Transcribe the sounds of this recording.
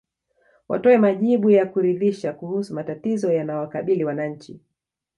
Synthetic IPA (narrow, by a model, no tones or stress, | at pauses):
wʔa̰tɔɛmaʄiɓujakuɾiðiʃakuhusumatatizɔjanajɔwakaɓiliwanaɲ̩t͡ʃi